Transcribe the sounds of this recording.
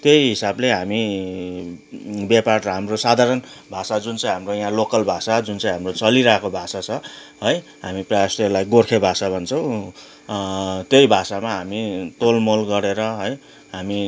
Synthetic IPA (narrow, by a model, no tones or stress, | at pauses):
t̪jejɦisableɦami | beparrʌɦamrosad̪ʱaɾʌnbʱasad͡zunt͡sãj̃ɦamrojɦãlokʌlbʱasad͡zunt͡sãj̃ɦamrot͡sʌliɾakobʱasat͡sʰʌ | ɦʌjɦamiprajasʈelajɡorkʰebʱasabʱʌnt͡sʰʌ̃w̃ | t̪jejbʱasamaɦamit̪olmolɡʌɾeɾʌɦʌj | ɦami